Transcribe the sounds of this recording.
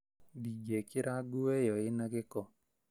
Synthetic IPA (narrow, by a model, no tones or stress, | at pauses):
biɡekɪɾaɡuejɔɪnaɡɪkɔ